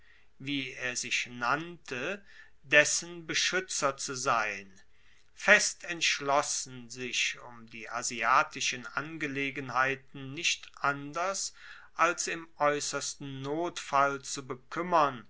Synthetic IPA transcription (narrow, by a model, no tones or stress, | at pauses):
viːeːɐzɪçnantʰə | dɛsənbəʃʏt͡sɐt͡suzaɪn | fɛstɛntʃlɔsn̩zɪʃʊmdiːʔaziaːtɪʃənʔanɡəleːɡənhaɪtn̩ːɪʃtʔandɐs | ʔalsɪmʔɔʏsɐstn̩ːoːtfalt͡subəkʰʏmɐn